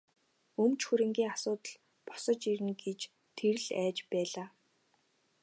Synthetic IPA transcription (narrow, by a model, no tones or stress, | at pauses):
ɵmt͡ɕxuɾɘ̆ŋɡʲiːŋasʊːt̪ə̆ɮ | pɔ̥sɞ̆t͡ɕiɾɘ̆nɡet͡ɕ | t̪ʰeɾɘ̆ɮæːt͡ɕpæːɮaː